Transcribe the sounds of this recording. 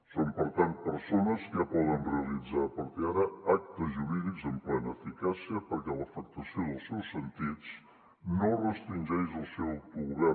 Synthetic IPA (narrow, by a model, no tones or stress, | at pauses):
sompəɾt̪ant̪̚pəɾsonəskəpɔðənreəlid͡zaəpəɾt̪iaɾəak̚t̪əzʒuɾiðikzəmplɛnəːfikasiəpəɾkɛləfək̚t̪əsioðəlˠsɛwsːənt̪it͡s | norəst̪ɾinʲd͡ʒɛjzəlˠsɛwpɾuɣɾɛ